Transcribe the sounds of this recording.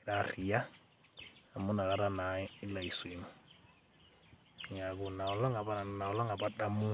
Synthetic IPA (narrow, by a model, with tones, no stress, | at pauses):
ɾa˦ɾi˨ja˦ | a˨mu˦na˨ɣa˦ɾa˦na˨˦i˦la˨i˨si˨mu˨ | ŋa˨ɡu˨na˨ɔ˨lɔ˦ŋa˨ba˦na˨na˨ɔ˨lɔ˦ŋa˨ba˦da˦mu˦